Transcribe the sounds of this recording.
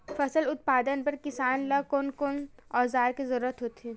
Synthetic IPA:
fɐsəlʊt̪̚paːd̪ənpɐɾkɪsaːnlɐkʊnkonɔːzaːɾkezɐɾuːɾət̪ɦoːt̪iː

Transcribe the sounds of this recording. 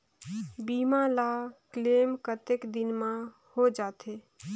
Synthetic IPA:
bimalakleːmkət̪ekd̪ɪnmã | hod͡ʒaːt̪e

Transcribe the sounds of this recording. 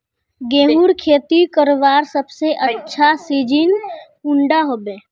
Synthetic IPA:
ɡẽːɦuːɾkʰeːt̪ikəɾʋaːɾsəbseʔətːʃʰasiːd͡ʒin | ʊ̃ɳɖaɦoːbeː

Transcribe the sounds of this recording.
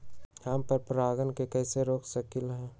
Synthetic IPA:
ampəɾpɾaːɡənkekɛːseɾoːksəkɪlɦɛː

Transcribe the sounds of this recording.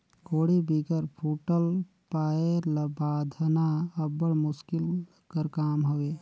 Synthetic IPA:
koːɽibiɡəɾpʰuʈəl | paːeləbaːd̪ʱənaəbːəɽmʊskɪl | kəɾkaːmɦoʋe

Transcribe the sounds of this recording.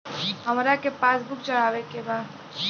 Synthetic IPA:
ɦɐmɾakepaːsbʊk̚t͡ʃɐɽaːʋekebaːd̪

